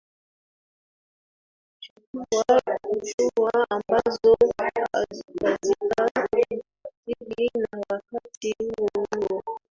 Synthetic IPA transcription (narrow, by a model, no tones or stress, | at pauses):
t͡ʃukuwaut͡ʃuwaambazɔa̰zikazika | ziɗinawakatihuwɔhuɔ